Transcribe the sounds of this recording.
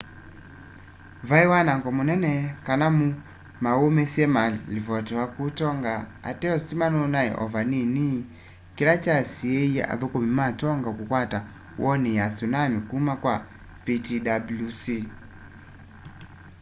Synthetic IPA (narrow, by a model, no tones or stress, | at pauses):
vaiwanaŋɡɔmunɛnɛkanamu | maumɛsiɛmalivɔtɛwakutɔŋɡaa̰tɛɔsimanɔnaɛ̰ʔɔ̰vanini | kilat͡ʃasiɛia̰ðukumimatɔŋɡakukwata | wʔɔnijasunamikuumakwa | pitidablusi